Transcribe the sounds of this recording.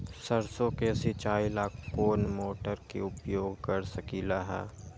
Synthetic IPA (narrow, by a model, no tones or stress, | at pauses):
sɐɾsõkeset͡ʃaːjlaːkʰkoːnmoːʈəɾkḛʊpjoːɡkəɾsɐkiːlaɦɛ̰ː